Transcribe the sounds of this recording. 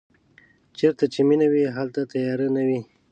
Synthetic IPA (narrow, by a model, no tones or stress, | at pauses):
t͡ʃeɾt̪at͡ʃeminawiɦalt̪at̪ajɑɾənawi